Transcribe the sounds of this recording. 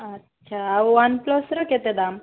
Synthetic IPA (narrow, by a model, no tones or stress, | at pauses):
ətːɕʰaːʋanplɔsɾəket̪ed̪am